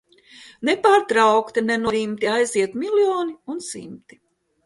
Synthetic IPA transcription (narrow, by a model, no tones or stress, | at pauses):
nɛpaːɾt̪ɾawkt̪inɛnuɔɾimt̪iajziɛt̪milʲjoːniunsḭmt̪i̥